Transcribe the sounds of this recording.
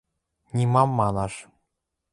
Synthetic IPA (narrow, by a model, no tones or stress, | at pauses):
nʲimɑmːɑnɑʃ